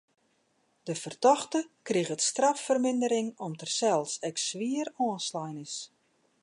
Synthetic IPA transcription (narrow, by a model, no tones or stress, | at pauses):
d̥əfərtɔxtəkriɣətstrafːərmɪndəɾɪŋɔmtərsɛlˠsɛksʋiərɔːnslajnɪs